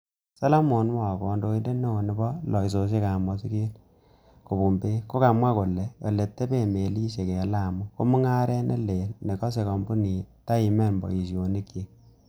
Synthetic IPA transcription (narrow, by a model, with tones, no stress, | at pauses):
sa˦lo˦mo˨n˦wɔ˨kɔ˨ndo˦i˦nde˦ne˦o˨ne˨˦bɔ˦lɔ˨i˨s̬o˨s̬e˦ka˨mɔ˦si˦ke˦l | ko˨bu˨mbe˦ko˦ka˨mwa˦ko˨le˨jɔ˨le˨tːe˦pe˦˨me˨li˦ʃe˨kɛ˨la˦˨mu˦ko˦mu˦ŋa˦ɾɛ˦nʔḛ˦le˨lne˨kɔ˦s̬e˨kɔ˨mbu˦ni˨ta˦i˨mɛ˦˨nmbɔ̰˨i˨so˨ni˦kːi˦k̚